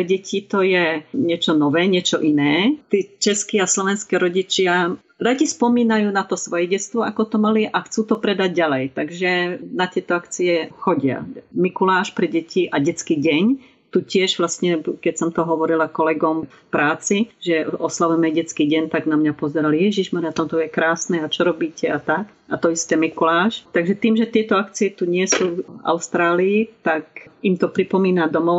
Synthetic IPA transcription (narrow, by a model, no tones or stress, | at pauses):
ɛɟɛcʰit̪ɔjɛɲɪɛt͡ʃɔnɔʋɛːɲɪɛt͡ʃɔʔinɛːt̪ɛːt͡ʃɛskiaslɔʋɛnskɛːɾɔɟit͡ʃɪa | ɾaɟispɔmiːnajuːnat̪ɔsʋɔjɛɟɛt͡st̪ʋɔʔakɔt̪ɔmaliʔaxt͡suːt̪ɔpɾɛd̪aɟɟalɛjt̪aɡʒɛnat̪ɪɛt̪ɔakt͡siɛxɔɟɪa̰mikulaːʃpɾɛɟɛciʔaɟɛt͡skiːɟɛɲ | t̪ucɪɛʒʋlast̪ɲɛkɛcsɔmt̪ɔɦɔʋɔɾilakɔlɛɡɔmfpɾaːt͡siʒɛɔslaʋɛmɛɟɛt͡skiːɟɛɲt̪aɡnamɲapɔzɛɾaljɛʒiʒmɔɾiat̪ɔmt̪ɔjɛkɾaːsnɛat͡ʃɔɾɔbiːcɛat̪ak | ʔat̪ɔist̪ɛːmikulaːʃt̪aɡʒɛt̪iːmʒɛt̪ɪɛt̪ɔakt͡siɛt̪uɲɪɛsuːa̰ʊst̪ɾaːliːt̪akimt̪ɔpɾipɔmiːnad̪ɔmɔʊ